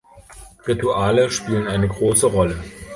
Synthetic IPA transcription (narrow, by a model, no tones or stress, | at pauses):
ʁituʔaːləʃpiːlənʔaɪnəɡʁoːsəʁɔlə